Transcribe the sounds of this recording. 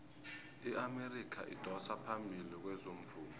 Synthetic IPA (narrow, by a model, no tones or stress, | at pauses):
iʔamerikʰa̰ʔḭd̥ʱɔsapʰambʱilik̬wɛzom̩fuːnɔ